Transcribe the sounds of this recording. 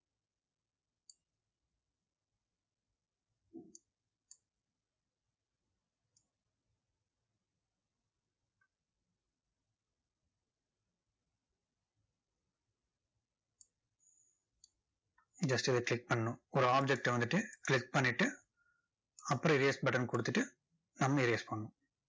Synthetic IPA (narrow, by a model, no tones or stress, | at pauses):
d͡ʒɐsʈid̪eklik̚bɐɳːuɔɾaːb̚d͡ʒek̚ʈeʋɐnd̪iʈːiklik̚bɐnːiʈːɨ | ɐpːɐɾɐiɾesbɐʈɐɾnkuɽut̪ːiʈːɨ | nɐmːɐiɾiespɐɳːu